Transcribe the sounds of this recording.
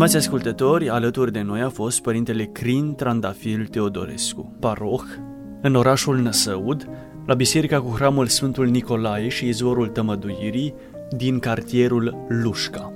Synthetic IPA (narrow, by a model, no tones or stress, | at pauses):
st̪imat̪sʲaskult̪ət̪o̞rʲalət̪urʲd̪e̞no̞jafo̞st̪̚pəɾint̪e̞le̞kɾint̪ɾand̪afilt̪e̞o̞d̪o̞̰ɾe̞̰skṵpaɾo̞x | ɨno̞ɾaʃulnəsəud̪ | labise̞ɾikakuxɾamulsfɨnt̪ulniko̞lajeʃiːzuoɾult̪əməd̪ujiɾi | d̪inkart̪ie̞ɾulːuʃka